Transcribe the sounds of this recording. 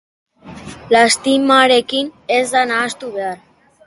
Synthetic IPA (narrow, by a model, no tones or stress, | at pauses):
last̪imaɾe̞kine̞zd̪anaːst̪uβe̞ar